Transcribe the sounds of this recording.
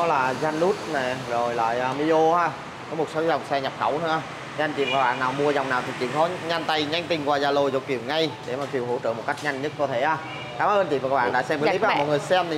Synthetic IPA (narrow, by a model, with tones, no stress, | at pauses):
ɔ˨˦laː˨˩za˧nlu˦˥t̚na˨˩zo˨˩jla̰ː˧˨jʔəː˨˩mi˧ʔo˧haː˧˨˩ | kɔ˨˦mo˨˩t̚so˨˦za˨˩wŋ͡msɛ˧ɲa˨˩p̚xə˧˩wt̪ʰə˧aː˧˩˧ | a˧ŋt͡ɕi˧˩mvːk̚ɓa̰ː˧˨naː˨˩wmu˧ə˧za˨˩wŋ͡mnaː˨˩wt̪ʰi˨˩t͡ɕḭ˧˨nxɔ˨˦ɲa˧nt̪a˧˩jɲa˧jŋ̟t̪ï˨˩ŋkwaː˨˩zaː˨˩lo˨˩jzo˨˩ki˨˧˩wŋa˧jɗe˧˩maː˨˩ki˨˩wɦo̰˧˥t͡ɕə̰ː˧˨m˨˩t̚ka˦˥k̚ɲa˧jŋ̟ɲə˦˥t̚kɔ˨˧˦t̪ʰe˧˩ʔaː˨˧˩ | kaː˨˦mʔəː˧nt͡ɕ̪i˨˩mvaː˨a˦˥ɓa̰ː˧˨ɗa̰ː˧˥sɛ˧mkːi˦˥p̚a˧˨m˨˩t̚ŋɨ˨˩əjsɛ˧m˨